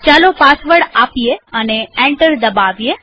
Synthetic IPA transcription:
t͡ʃalopasʋəɽapijeəneẽɳʈəɾd̪əbaʋje

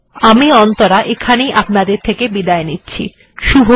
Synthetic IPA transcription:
amiɔnt̪oɾaʔekʰanejʔapnad̪eɾt̪ʰekebid̪aenitːɕʰḭ | ʃubʱo

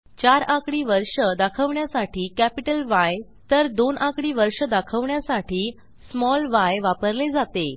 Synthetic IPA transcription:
t͡ɕaɾãkɽiːʋəɾʂəd̪akʰəʋɳjasaʈiːkæpiʈəlʋaj | t̪əɾd̪onʔãkɽiːʋəɾʂəd̪akʰəʋɳjasaʈʰiː | smɔlʋajʋapəɾled͡zat̪e

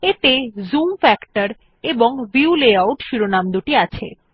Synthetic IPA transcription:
et̪ezumfɛkʈaɾ | eboŋbiuleawʈʃiɾonamd̪uʈiat͡ɕʰḛ

